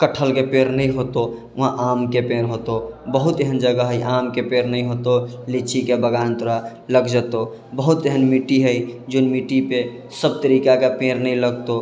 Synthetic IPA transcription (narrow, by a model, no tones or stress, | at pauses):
kəʈʰəlkepeɾnəĩɦot̪o | ʊɦãʔamkepeɾɦot̪obəɦut̪eɦənd͡ʒəɡəɦəiʔamkepeːɾnəĩɦot̪olit͡ʃikebəɡaːnt̪ʊɾa | ləɡd͡ʒət̪o | bəɦut̪eɦənmiʈiɦəjd͡ʒoːnmiʈipe | səb̚t̪əɾikakepeɾnəĩləɡt̪o